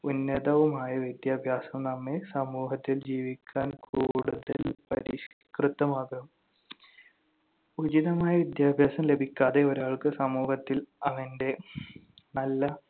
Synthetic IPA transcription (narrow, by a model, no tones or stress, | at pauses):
unːɐd̪ɐʋumaːjɐʋid̪jaːbʱjaːsɐmnɐmːesɐmuːɦɐt̪ːild͡ʑiːʋikʲːaːnkuːɽuðɐ̰lpɐɾi | krɨt̪ːɐmaːɣɐm | ud͡ʑiðɐmaːjɐʋid̪jaːbʱjaːsɐmle̞bʱikʲːaːðe̞oɾaːɭkɨsɐmuːhɐt̪ːilɐʋɐnde̞ | nɐlːɐ